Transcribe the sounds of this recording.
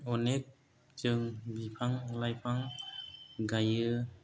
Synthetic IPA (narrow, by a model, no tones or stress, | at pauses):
ɔnek̚ | t͡ʃɯŋbipʰaŋlajpʰaŋ | ɡajɯ